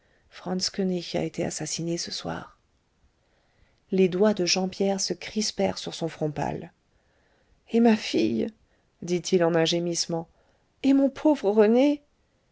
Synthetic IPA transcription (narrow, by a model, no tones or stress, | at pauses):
fχɑ̃nskøniça̰et̪ʰea̰sasinesəswa̰ːʁ | led̪wad̪əʒɑ̃pjɛʁsəkχispɛʁsyʁsɔ̃fχɔ̃pa̰l | emafij | d̪it̪ʰilɑ̃nɛ̃ʒemismɑ̃ | emɔ̃pʰovʁəʁəne